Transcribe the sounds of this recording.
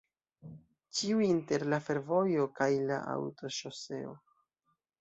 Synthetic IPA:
t͡ʃiuinte̞ɾlafe̞ɾvo̞jo̞kajla̰ʔa̰wto̞ʃose̞o̞̰

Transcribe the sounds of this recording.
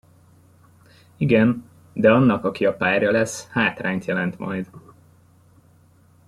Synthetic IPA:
iɡɛn | d̪ɛɒnːɒkɒkiɒpaːrjɒlɛshaːt̪raːɲt̪jɛlɛnt̪mɒ̰jd̪

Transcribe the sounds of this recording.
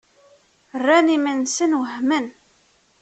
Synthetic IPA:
ərːænimənsənwəhmən

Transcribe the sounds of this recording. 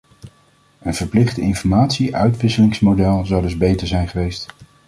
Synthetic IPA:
ənv̥əɹplɪχtɪnfɔɹmaːtsiʔœ̰ɥtʋɪsəlɪŋsmodɛlˠzɑwdɵzbejtəɹzɛjnχəʋejst

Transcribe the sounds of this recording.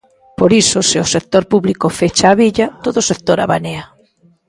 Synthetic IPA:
poɾisoseosek̚t̪oɾpuβlikofet͡ʃaːβiʎat̪oðosek̚t̪oɾa̰βanea

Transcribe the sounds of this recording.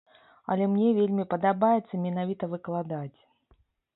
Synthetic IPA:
ɐ̰lʲɛmnʲɛvʲelʲmʲipɐd̪abajɛt̪sːɐmʲinavʲit̪ɐvɨklˠad̪at͡sʲ

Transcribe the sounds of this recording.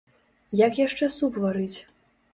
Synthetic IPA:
jakjaʂt͡ʂɛsupvaɾɨt͡sʲ

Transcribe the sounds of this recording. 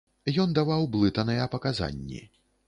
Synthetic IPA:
jɔnd̪avawblˠɨt̪ɐnɨjɛpɐkaza̰nʲːḭ

